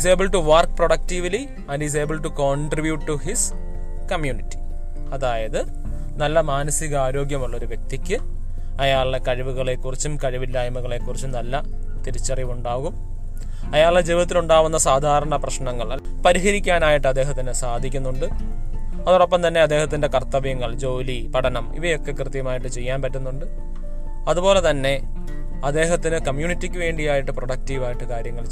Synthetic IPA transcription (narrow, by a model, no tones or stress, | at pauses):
s̬e̞ːbɨlʈuʋɐrkproɽɐk̚tiʋli | ɐnɖis̬e̞ːbɨlʈukoːɳɖribjuʈʈːuhis | kɐmjuːnitːi̥ | ɐðaːjɐðɨ | nɐlːɐmaːnɐsiɣɐaːɾo̞ːɡjɐmuɭːɐo̞ɾuʋje̞k̚t̪ikʲːɨ | ɐjaːɭekɐɻiʋuɣɐɭe̞kːurit͡ɕːumkɐɻiʋilːaːjɐmuɣɐɭe̞kːurit͡ɕːunɐlːɐ | t̪iɾit͡ɕːɐriʋuɳɖaːɣum | ɐjaːɭɖed͡ʑiːʋɐt̪ːiluɳɖaːʋunːɐsaːd̪ʱaːɾɐɳɐprɐɕɳɐŋːɐɭ | pɐɾiɦɐɾikʲːaːnaːjiʈːɨɐd̪ːe̞ːɦɐt̪ːinɨsaːd̪ʱikʲːunːuɳɖɨ | ɐðoɽopːɐmt̪ɐnːe̞ɐd̪ːe̞ːhɐt̪ːinde̞kɐrt̪ɐʋjɐŋːɐɭd͡ʑo̞ːlipɐɽɐnɐmḭʋɐjo̞kːe̞krɨt̪jɐmaːjiʈːɨt͡ɕe̞jːaːnpɐtːunːuɳɖɨ | ɐðubo̞ːle̞t̪ɐnːe̞ | ɐd̪ːe̞ːɦɐt̪ːinɨkɐmjuːnitːikʲːuʋe̞ːɳɖijaːjiʈːɨproɽɐk̚tiːʋaːjiʈːɨkaːɾjɐŋːɐɭ